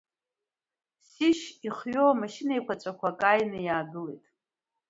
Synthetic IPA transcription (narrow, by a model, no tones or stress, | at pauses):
siʃiχɥoamaʃinajkʷat͡ʃʷʼakʷʰakʼajnɨjaːɡɨlḛjtʼ